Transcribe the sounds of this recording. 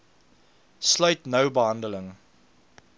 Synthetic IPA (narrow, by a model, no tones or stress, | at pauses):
slɐɥtnəwbəɦɐndələŋ